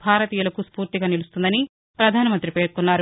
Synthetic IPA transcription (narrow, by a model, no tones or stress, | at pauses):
bʱaːɾɐt̪iːjɐlɐkuspuːɾt̪iɡaːnilust̪und̪ɐni | pɾɐd̪ʱaːnɐmɐnt̪ɾipe̞ːɾkunːaːɾu